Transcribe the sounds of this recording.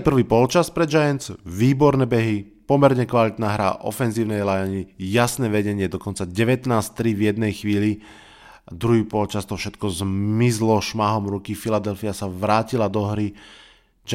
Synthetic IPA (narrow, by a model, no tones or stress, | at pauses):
pr̩ʋiːpɔlt͡ʃaspɾɛd͡ʒajɛnt͡sʋiːbɔɾnɛːbɛɦi | pɔmɛɾɲɛkʋalit̪naːɦɾa̰ʔɔ̰fɛnziːʊnɛjlajaɲijasnɛːʋɛɟɛɲɪɛd̪ɔkɔnt͡saɟɛʋɛt̪naːst̪ɾivjɛd̪nɛjxʋiːli | d̪ɾuɦiːpɔlt͡ʃast̪ɔfʃɛt̪kɔzmizlɔʃmaɦɔmɾukifilad̪ɛlfiasaʋɾaːcilad̪ɔɦɾi | d͡ʒ